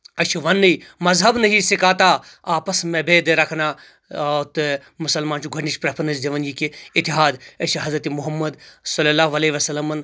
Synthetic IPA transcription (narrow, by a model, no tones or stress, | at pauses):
ɐt͡ʃʰuʋɐnːɨimɐzɦɐbnɐɦisɪkaːt̪aːaːpɐsmẽbeːd̪eɾɐkʰnaː | t̪ | mʊsɐlmaːnt͡ʃʰuɡʱɐʈniʃpɾɐpʰɐɾnɐsd̪eʋɐnjikiɪt̪ːiɦaːd̪ɐt͡ʃʰiɦɐzɾɐt̪imʊɦɐmːɐd̪sɐlɐlaːʋɐleʋɐsɐlːɐmɐn